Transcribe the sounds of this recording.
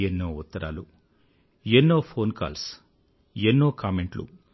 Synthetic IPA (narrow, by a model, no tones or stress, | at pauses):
enːoːut̪ːɐɾa̰ːlu | enːoːpʰoːnka̰ːls | enːoːkaːmeɳʈlṵ